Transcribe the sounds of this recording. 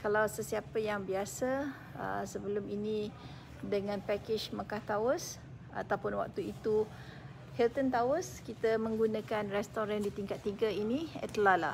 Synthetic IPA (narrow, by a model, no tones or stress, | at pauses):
kalawsəsiapəjaŋbiasa | ə̰səbəlʊmini | dəŋãnpɛkɪt͡ʃmakaht̪awəs | a̰t̪awpʊnwa̰k̚t̪uit̪u | hɛlt̪ənt̪awəskit̪əmə̃ŋɡunãkanrɛst̪ɔɾandit̪iŋkat̪ːiɡəinĩə̰t̪əlahla̰